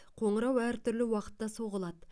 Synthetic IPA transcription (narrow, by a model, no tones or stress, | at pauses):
qʰo̞ɴəɾɑwæɾt̪ʰʏɾlɪwɑqə̥t̪ːɑso̞ʁəlˠɑd̪ə